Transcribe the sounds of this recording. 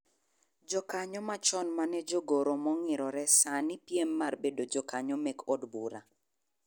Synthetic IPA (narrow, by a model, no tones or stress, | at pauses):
d͡ʒɔkaɲɔmat͡ʃɔnmanɛd͡ʒoɡoɾomɔŋɪɾɔɾɛsanɪpjemːarbedod͡ʒɔkaɲɔmɛkʰɔdbuɾa